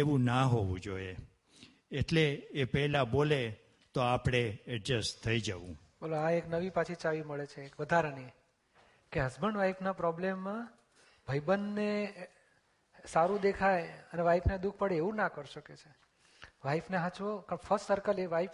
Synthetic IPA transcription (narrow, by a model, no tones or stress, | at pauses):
eʋũnaɦoʋṵ̃d͡ʒoje | eʈleːpɛɦlabole | t̪oapɽ̃eɛɖɾəst̪ʰːəid͡ʒəʋṵ̃ | əloaeknəʋipãt͡ʃʰit͡ʃaʋiməɭet͡ʃʰeːkʋəd̪ʱaɾani | keɦəsbəɳʋaipʰnapɾɔblemːã | bʱəjbənːe | saɾũd̪ekʰajəneʋaipʰned̪uk̚ʰpəɽeːʋũnakəɾuʃəket͡ʃʰe | ʋaifneɦãt͡ʃʋokəɳfʰəssəɾkəleʋaip